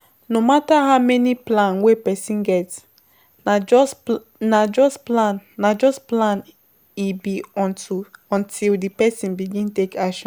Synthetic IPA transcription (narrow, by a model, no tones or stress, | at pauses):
nomataɦaʊmɛniplãnwepɛsĩnɡɛts | nad͡ʒɔsplãnːad͡ʒɔsplãn | ibi | ɔ̃ntʰildipɛsĩnbiɡĩntekaʃɔ̃n